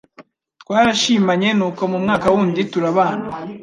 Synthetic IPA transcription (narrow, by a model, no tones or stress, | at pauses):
twaːɾaʃiːmaɲe̞nuːko̞mumŋaːkawuːndituɾaβaːna